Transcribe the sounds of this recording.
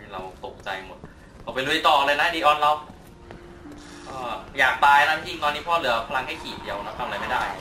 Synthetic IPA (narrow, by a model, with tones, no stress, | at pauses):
ɾa˧wt̪o˨˩k̚t͡ɕa̰˧jmo˨˩t̪̚ | kʰɔː˨˩pjlu˧jt̪ɔː˨˩ʔa˧ɾa˧jna˦˥˧diː˧˩ʔɔː˧nla˧w | ʔɤː˧˩jaː˨˩k̚t̪aː˧jna˦˥˧t̪ʰi˧ŋt̪ɔː˧nːiː˦˥pʰɔː˥˩lɯ˨˩˦ɐpʰa˧la˧ŋha˥˩jkʰiː˨˩t̪̚di˧˩ɐwna˦˥t̪ʰa˧m˨˧a˧jma˥˩jdaː˥˩j